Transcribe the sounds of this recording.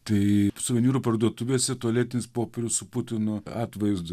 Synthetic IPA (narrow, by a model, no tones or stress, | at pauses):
t̪ɐɪsʊʋʲɛnʲuːɾupɐrd̪uɔt̪ʊʋʲeːsʲɛt̪oɔlʲeːt̪ʲɪnʲɪspoːpʲeɾʲʊssʊpʊt̪ʲɪnʊɑːt̪ʋɐɪzd̪ʊ